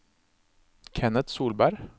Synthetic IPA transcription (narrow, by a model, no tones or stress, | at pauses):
kʰɛnət̪suːlbæɾ